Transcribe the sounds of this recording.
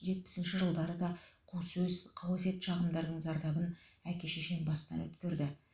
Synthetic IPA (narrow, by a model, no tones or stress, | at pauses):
ʒe̞t̪̚pɪ̥sɪnʃɪʒəlˠd̪ɑɾəd̪ɑqʰuwsɵzqʰɑwse̞t̪ʃɑʁəmd̪ɑɾd̪əɴzɑɾd̪ɑbənækʲe̞ʃeʃe̞nbɑst̪ɑ̰nwɵ̰t̪kʲeɾd̪ɪ